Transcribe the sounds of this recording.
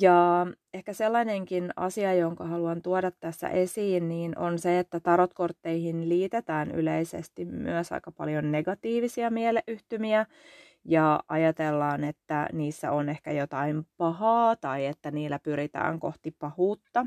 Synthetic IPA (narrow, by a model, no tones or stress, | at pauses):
jɑː | ehkæselːɑneŋkinɑ̰siɑjoŋkɑhɑluɑnt̪uodɑt̪ːæsːæ̰ʔesiːnniːnʔo̰nseet̪ːæt̪ɑɾot̪kort̪ːeihinliːt̪et̪æːny̰leisḛst̪immy̰øsɑ̰ikɑpɑ̰ljonːeɡɑt̪iːʋisiɑmiɛleʔyht̪ymiæ | jɑʔɑjɑt̪elːɑːnet̪ːæniːsːæ̰onehkæjot̪ɑimpɑhɑːt̪ɑiet̪ːæniːlːæpyɾit̪æ̰ːŋko̰ht̪ipɑhuːt̪ːɑ